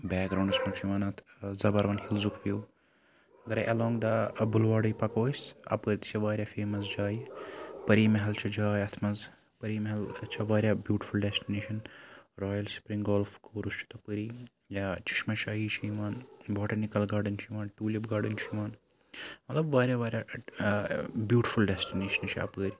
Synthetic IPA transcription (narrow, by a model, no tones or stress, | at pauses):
bɛːkɡɾaːw̃ɳɖɐsmɐt͡ʃʰiʋaːnɐt̪ʰzɐbɐɾʋɐnhilzukʋjuː | ɡɐɾɐʔɐloːŋɡd̪ɐbulʋaːɖɐjpɐkoːsɐ̰pɐɾt̪i̥t͡ʃʰɐʋaːɾjaːfeːmɐs̬d͡ʒaːjpɐɾiːmɐɦɐlt͡ʃʰɐd͡ʒaːjɐt̪ʰmɐz | pɐɾiːmɐɦɐlt͡ʃʰɐʋaːɾʲjaːbjuːʈi̥fulɖesʈineːʃɐnɾoːjɐlspɾiŋɡoːlfkoːɾust͡ʃʰu̥t̪ɐpəɾiː | jat͡ʃɪ̥ʃmɐʃaːɦiːt͡ʃʰiimaːnboːʈɐnikɐlɡaːɾɖɐnt͡ʃʰiʋaːnʈuːlʲibɡaːɖɐnt͡ʃʰiiʋaːn | mɐt̪lɐbʋaːɾʲjaʋaːɾʲja | bjuːʈi̥fulɖesʈineːʃɐnt͡ʃʰiɐ̰pɐɾʲ